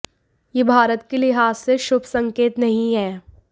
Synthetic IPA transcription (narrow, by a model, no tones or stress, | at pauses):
jebʱaːɾət̪kilɪɦaːzseʃʊbʱsɐ̃ŋkeːt̪nɐɦĩɦɛː